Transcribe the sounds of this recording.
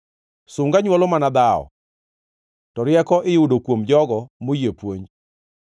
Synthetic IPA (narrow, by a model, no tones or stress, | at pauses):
sʊŋɡaɲwɔlɔmanad̪aɔ̰ | tɔɾjɛkɔʔɪjʊdokwomd͡ʒɔɡɔmojepwoɲ